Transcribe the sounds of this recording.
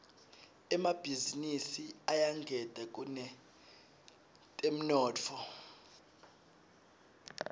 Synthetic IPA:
ɛmab̥ʱizinisiajaŋɡʱɛd̥ʱɛk̬ʼunɛ | tʼem̩nɔːtʰɔ

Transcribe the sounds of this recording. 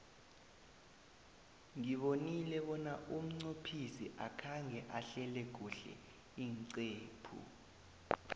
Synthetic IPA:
ŋiɓonilɛɓɔnaʔum̩ŋ͡ǀopʰisiʔakʰaŋɛʔaɬɛlɛɡ̥ʱuɬɛ̰ | iːŋǀeːpʰṵ

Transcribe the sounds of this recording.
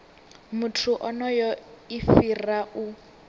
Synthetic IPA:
mutʰuʔɔnɔjɔifiraʔu

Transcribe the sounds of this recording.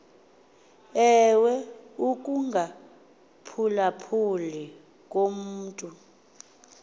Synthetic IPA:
ɛwɛuk̬ʼuŋɡʱa | pʰulapʰuli | kʼom̩ːtʼu

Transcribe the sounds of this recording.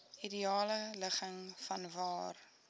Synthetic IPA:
idiɑːlələχəŋfɐnvɑːr

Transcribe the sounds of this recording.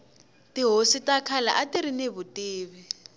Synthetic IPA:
tiɦositakʰalaʔatiɾineβutʼiːβi

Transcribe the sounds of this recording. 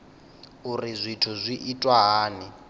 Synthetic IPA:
urizʷitʰuzʷiʔitʼwaɦaːni

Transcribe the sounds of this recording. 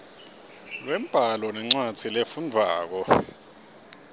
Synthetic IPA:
wɛmb̥ʱalɔnɛŋ͡ǀwat͡sʰilefund͡vʱaːk̬ɔ

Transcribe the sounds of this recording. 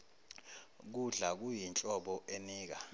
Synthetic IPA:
k̬uɮak̬ujint͡ɬʼɔɓɔʔeniːk̬a

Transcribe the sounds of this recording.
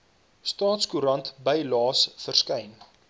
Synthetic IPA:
stɑːtskuɾɐntbəjlɑːsfərskɛjn

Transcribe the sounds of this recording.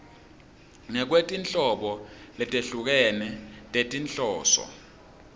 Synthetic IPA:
ŋɛk̬wetʼint͡ɬʼɔɓɔlɛtʼeɬuk̬ɛnɛtʼetʼint͡ɬʼɔːsɔ̰

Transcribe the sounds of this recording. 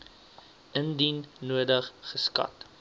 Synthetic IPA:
əndinːuədəχːəskɐ̰t

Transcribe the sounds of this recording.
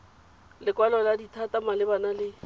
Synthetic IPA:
lɪkʼwalɔladitʰatamalɪbanalɪ

